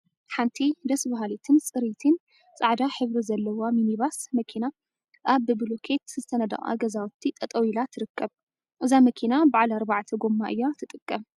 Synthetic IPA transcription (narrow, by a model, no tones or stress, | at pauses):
ħant̪ʰid̪ɐsbaɦalit̪ʰɨnsʼɨɾit̪ʰɨn | sʼaʕd̪aħɨβɾizɐlːɐwaminiβasmɐkʰina | ʔaβɨbɨlokʰet̪zɨt̪ʰɐnɐd̪ɐ̰χʼa̰ɡɐzawt̪ʰːit̪ʼɐt̪ʼɐwilat̪ʰɨɾɨkːɐb | ʔɨzamɐkʰinabaʕalɐɾbaʕt̪ʰɐɡomːaʔɨjːat̪ʰɨt̪ʼɨkʼːɐm